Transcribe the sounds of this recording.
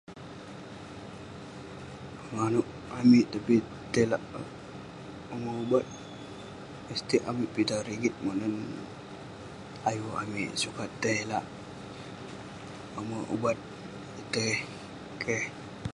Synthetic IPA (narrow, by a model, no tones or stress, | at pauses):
əŋanuʔ | amiʔt̪api | t̪ela̰ʔ | oməubat̪̚ | əst̪iʔamiʔpit̪aɾiɡit̪̚monən | ajua̰miʔsukat̪ejlaʔ | oməʔṵbat̪̚ | it̪əh | kʰeh